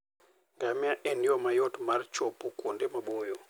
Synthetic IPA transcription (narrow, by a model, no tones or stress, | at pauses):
ŋɡamiaʔɛniɔmajɔtmart͡ʃɔpɔkwondemabojɔ